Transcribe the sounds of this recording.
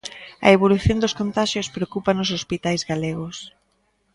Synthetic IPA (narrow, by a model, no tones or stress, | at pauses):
ɐ̰eβ̞oluθjond̪oskont̪aʃjospɾeokupanosospit̪ajzɣaleɣos